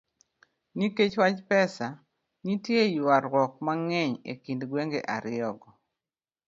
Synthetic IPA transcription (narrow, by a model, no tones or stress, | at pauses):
niket͡ʃwat͡ʃpɛsa | nitjejwaɾwɔk̚maŋɛɲḛkindɡweŋɡeʔa̰ɾɪɔɡɔ